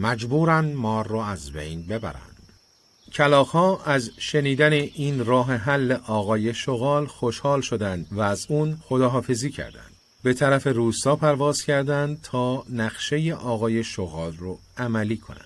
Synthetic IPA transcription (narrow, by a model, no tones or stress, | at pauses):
mæd͡ʒbuːɾænmɒːrːɔæzbḛjnbe̞bæ̰ɾæ̰nd̪̥ | cʰælɒːxhɒːʔæzʃe̞niːd̪æneʔiːnrɒːɦeɦælːeʔɒːɣɒːje̞ʃoɣɒːlxoʃhɒːlʃod̪ænd̪væːzuːnxo̞d̪ɒːɦɒːfe̞ziːcʰæ̰ɾd̪æ̰nd̪̥ | be̞t̪ʰæɾæfe̞ruːst̪ɒːpʰæɾvɒːz̥cʰæɾd̪ænd̪t̪ʰɒːnæχʃe̞jeʔɒːɣɒːje̞ʃoɣɒːlroæmæliːkʰo̰næ̰nd̥̪